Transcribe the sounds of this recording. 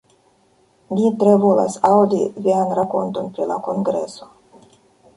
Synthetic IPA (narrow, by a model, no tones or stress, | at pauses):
lʲit̪ɾevola̰sawd̪ivianɾakont̪onpɾila̰koŋɡɾeso̥